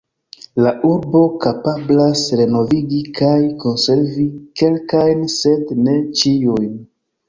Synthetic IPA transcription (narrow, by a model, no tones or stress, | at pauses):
laʔuɾbo̞kapablasɾe̞no̞viɡikajko̞nse̞ɾvike̞lkajnse̞ndne̞t͡ʃijujn